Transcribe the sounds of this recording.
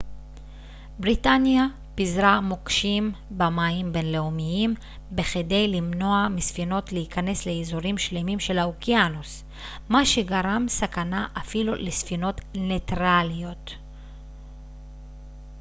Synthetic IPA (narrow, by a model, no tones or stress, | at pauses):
bʁitanja | pizʁamokʃimbamaimbe̞nle̞umijim | beχede̞jlimno̞amisfino̞tleikane̞sle̞ːzuʁimʃlemimʃe̞laokjanus | maʃe̞ɡaʁamsakanaʔafilulesfino̞tne̞tʁalijo̞t